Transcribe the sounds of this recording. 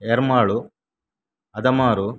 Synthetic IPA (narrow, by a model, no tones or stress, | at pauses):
eɾmaːɭu | ɐd̪ɐmaːɾu